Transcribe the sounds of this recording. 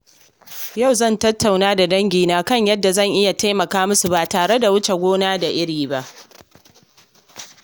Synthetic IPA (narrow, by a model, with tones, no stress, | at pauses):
ja˦˨wzɐ˦˨ntɐ˦tʰːa˨wnaː˦da˨dɐ˦ŋɡʲiː˨naː˦kɐ˦˨ɲjɐ˦dːa˨zɐ˦˨ŋʔɪ˦ja˨ta˦jmɐ˨kaː˦mʊ˦su˨ba˨taː˨ɽe˦da˨wʊ˦t͡ʃe˨ɡʷoː˦naː˦da˨ʔɪ˦ɽiː˨ba˦ʔ